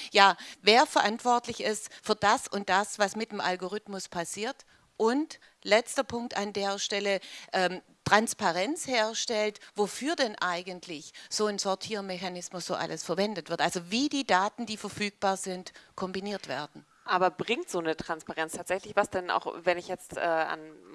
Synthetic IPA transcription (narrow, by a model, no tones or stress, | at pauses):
jaːveːɐfɐʔantv̥ɔɐtlɪçɪstfyːɐdasʊnt̚d̥asv̥asmɪt̚emʔalɡoʁ̞ʏtmʊspʰasiːɐt | ʔʊnt | lɛt͡stɐpʰʊŋk̚tandeːɐʃtɛləʔɛːm | tʁ̥anspaʁɛnt͡sheːɐʃtɛltvofyːɐdɛnʔaɪɡəntʰlɪçz̥oːnzɔɐtʰiːʁmeçanɪsmʊsz̥oːʔa̰ləsfɐvɛndətv̥ɪɐtʔalzoviːdiːdaːtn̩diːfɛɐfyːk̚b̥aːɐzɪntkʰɔmbiniːɐtv̥ḛːɐdn̩ | ʔaːbɐbʁɪŋtz̥oːnətʁ̥anspaʁɛnt͡stʰaːtz̥ɛçlɪçv̥asd̥ɛna̰ʊxvɛnɪçjɛt͡stʔɛ̰ːa̰n